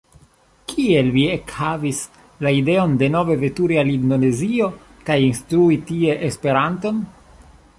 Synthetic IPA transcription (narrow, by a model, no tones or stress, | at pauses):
kie̞lviekhavis | laide̞o̞nde̞no̞ve̞ve̞tuɾialindo̞ne̞zio̞ | kajinst̪ɾuitie̞ʔespe̞ɾanto̞n